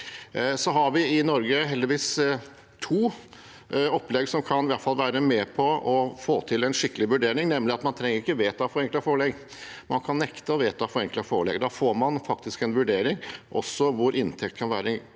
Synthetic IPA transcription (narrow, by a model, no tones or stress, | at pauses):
sɔɦɑɾʋɪɪnɔɾɡəɦɛld̪ɪʋiːs | t̪ʰuː | ɔpːlɛɡsɔmkʰɑnɪʋæʈ̪fɑlːʋæːɾəmɛːpʰɔʔɔfoːt̪ʰɪlɛnʂɪkːəlɪʋʉɖeːɾɪŋnɛmːlɪɑt̪mɑnt̪ʰɾɛŋːəɾɪkːəʋeːt̪ʰɑfɔɾɛŋkləfɔːɭɛɡ | mɑnkʰɑnːɛkt̪əɔʋeːt̪ʰɑfɔɾɛŋkləfoːɭɛ̰ɡd̪ɑːfoːɾmɑnfɑk̚t̪ɪskɛnʋʉɖeːɾɪŋʔɔ̰sːɔʋʊɾʔɪnt̪ʰɛkt̪kʰɑnʋæ̰ːɾə